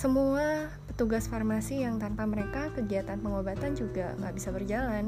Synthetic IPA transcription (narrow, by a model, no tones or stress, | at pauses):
səmuappət̪uɡasfarmasijaŋt̪anpaməɾekakəɡiat̪anpəŋobat̪and͡ʒuɡaŋɡa̰ʔbisabərd͡ʒalan